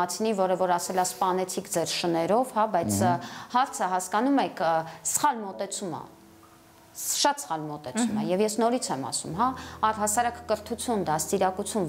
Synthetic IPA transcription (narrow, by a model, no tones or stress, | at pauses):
ɑt͡sʰnivɔɾəvɔɾɑsɛlɑspɑnɛt͡sʰikʰd͡zɛɾʃənɛɾɔvhɑbɑjt͡sʰhɑɾt͡sʰəɦɑskɑnumɛkʰsə̥χɑlmɔt̪ɛt͡sʰumə̰ | ʃɑt̪sə̥χɑlmɔt̪ɛt͡sʰumə̰jɛvjɛsnɔɾit͡sʰɛmɑ̰sṵmɦɑɑrɦɑsɑɾɑkːəɾt̪ʰut͡sʰjund̪ɑst̪iɾɑkut͡sʰjun